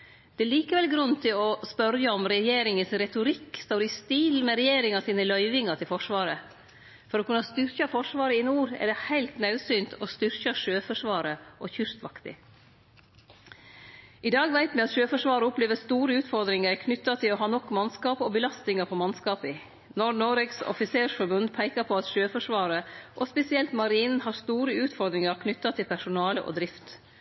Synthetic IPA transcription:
d̪̥ɛɛliːkəʋɛlɡɾʉnːt̪ʰɪlɔspœɾjəɔmɾɛjeːɾɪŋənsɾɛt̪ʊɾɪkːst̪oːɾɪst̪iːlmɛɾɛjeːɾɪŋɑsiːnəlœʏʋɪŋɑt̪ʰɪlfɔʂʋɑːɾə | fɔɾɔːkʉnːɑst̪ʏɾçɑfɔʂʋɑːɾəɪnuːɾɛ̰ɖ̪ɛhæɪlt̪nɑʉsyːnt̪ʰɔst̪ʏɾçɑʂøːfɔʂʋɑːɾəʔɔçʏst̪ʋɑkt̪ɪ̰ | ʔɪd̪ɑːɡʋæɪt̪mɛɑt̪ʃøːfɔʂʋɑːɾəʊpleːʋəst̪uːɾəʉːt̪fɔɾd̪ɾɪŋəɾkʰnʏt̪ːɑt̪ʰɪlɔɦɑːnɔkːmɑnskɑːpɔːbəlɑst̪nɪŋəpʰɔmɑnskɑːpɪ | nɔnoːɾɛksɔ̰fɪseːʂfɔɾbʉnd̪pʰæɪkɑpʰɔɑt̪ʃøːfɔʂʋɑːɾəʔɔspɛsɪɛlt̪mɑɾiːnn̩hɑːst̪uːɾəʉːt̪fɔɾd̪ɾɪŋəɾkʰnʏt̪ːɑt̪ʰɪlpʰæʂʊnɑːləʔɔ̰ːd̪ɾɪft̪

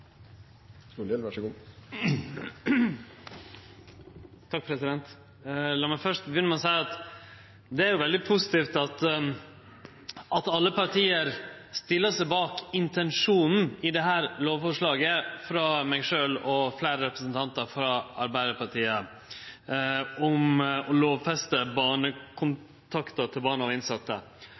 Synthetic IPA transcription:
ulɛʋæʂəɡuː | t̪ʰɑk̚pʰɾɛsɪd̪ɛnt̪ | lɑːmæfœʂʈ̚bjʏnəmɑnsæɪɑt̪ | d̪ɛæɾjʊʋɛld̪ɪpʰʊsɪt̪iːft̪ɑt̪ | ʔɑt̪ɑlːəpɑɾʈʰiːəɾst̪ɪlːəʂæɪbɑːkɪnt̪ʰɛnʂuːnn̩ɪd̪ɛɦæːɾloːʋfɔʂɭɑːɡəfɾɑmɛɪʂøːlɔflæɪɾəɾɛpɾəsən̩t̪ʰɑnt̪əɾfɾɑɑɾbæɪd̪əɾpɑʈʰiːə | ɔmɔloːʋfɛst̪əbɑːɳəkʰʊn | t̪ʰɑkt̪ət̪ʰɪlbɑːɳəɔɪnsɑt̪ːə̰

